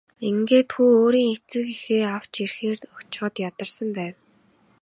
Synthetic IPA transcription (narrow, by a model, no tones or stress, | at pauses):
iŋɡeːt̪xuːoːɾiːŋet͡sɘ̆kixeːaw̥t͡ɕirxeːrɔt͡ɕχə̆t̪jat̪ə̆rsə̆mpæːw